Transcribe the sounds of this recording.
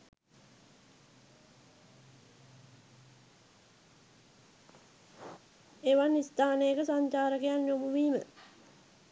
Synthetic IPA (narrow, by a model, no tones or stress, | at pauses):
eʋanːist̪aːnejəkəsaɲt͡ʃaːɾəkejanːomuʋiːmə̰